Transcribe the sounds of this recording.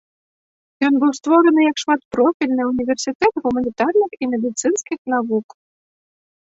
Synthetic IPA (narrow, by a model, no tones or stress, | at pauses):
jɔnbɨwst̪vɔɾənɨjakʂmat̪pɾɔfʲilʲnɨunʲivʲɛrsʲit̪ɛt̪ɣumɐnʲit̪arnɨximʲed̪ʲɨt̪sɨnskʲixnavuk